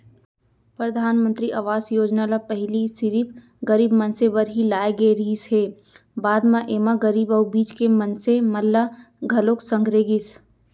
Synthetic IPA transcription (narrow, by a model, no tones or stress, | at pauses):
pɾəd̪ʱaːnmə̃nt̪ɾiʔaʋaːsjoːd͡ʒnalapəɦlisɪɾip | ɡɐɾiːbmɐnsebəɾɦilaːeɡeɾiːsɦeː | baːd̪mãʔeːmaɡəɾiːbəːbiːt͡ʃkemənsemɐlːa | ɡʱɐloːksə̃ŋɡɾeːɡɪs